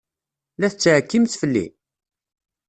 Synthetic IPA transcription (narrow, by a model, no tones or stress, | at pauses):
læθət͡sːʕkːimθfəlːḭ